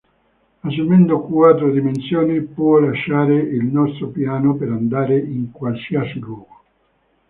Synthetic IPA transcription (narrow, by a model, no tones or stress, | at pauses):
asolmend̪okwat̪ːɾod̪imensjoːnipwɔlaʃːaːɾeilnɔst̪ɾopjaːnopeɾand̪aːɾeiŋkwalsiasilwɔːɡo